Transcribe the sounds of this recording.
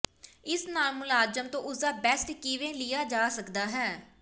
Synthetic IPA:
ɪsnaːlmʊlaːd͡ʒəmt̪õːʔʊsd̪aːbɛsʈkɪʋẽːlɪjaːd͡ʒaːsəkd̪aːɦɛː

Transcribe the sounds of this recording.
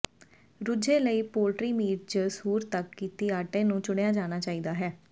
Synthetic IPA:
ɾʊd͡ʒeːləiːpoːlʈɾiːmiːɾd͡ʒəsuːɾt̪əkːiːt̪iːaːʈẽːnũːt͡ʃʊɽjaːd͡ʒaːñaːt͡ʃaːiːd̪aːɦɛː

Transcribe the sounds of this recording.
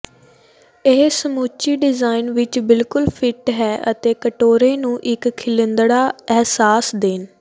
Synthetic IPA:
eːsəmuːt͡ʃiːɖɪzaːinʋɪt͡ʃbɪlkʊlpʰɪʈɦɛːʔət̪eːkəʈoːɾeːnũːʔɪkʰːɪlɪnd̪ɽaːɛɦsaːsd̪eːn

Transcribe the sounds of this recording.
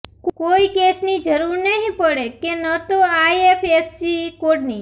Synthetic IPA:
koikesnid͡ʒəɾuɾnəɦĩpəɽekenət̪oajefʰesikoɽni

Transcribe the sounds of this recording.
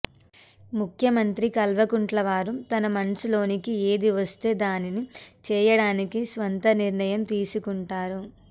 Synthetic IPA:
mukʰjɐmɐnt̪ɾikɐlʋɐkuɳʈlɐʋaːɾut̪ɐnɐmɐnsilo̞ːnikie̞ːd̪iʋɐst̪e̞ːd̪aːninit͡ʃɛːjɐɽaːnikisʋɐnt̪ɐniɾɳɐjɐmt̪iːsukuɳʈaːɾu

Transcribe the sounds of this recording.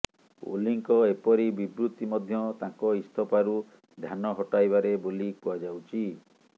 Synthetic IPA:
o̰liŋkɔepɔɾibibɾut̪imɔd̪ʱjɔt̪ãŋkɔist̪ʰɔpaɾu | d̪ʱjanɔɦɔʈajbaɾebolikɔad͡ʒawt͡ʃʰi

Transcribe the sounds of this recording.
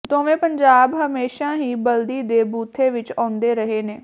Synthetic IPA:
t̪õːʋẽːpəɲd͡ʒaːbɦəmeːʃãːɦiːbəld̪iːd̪eːbuːt̪ʰːeːʋɪt͡ʃãːnd̪eːɾəɦeːneː

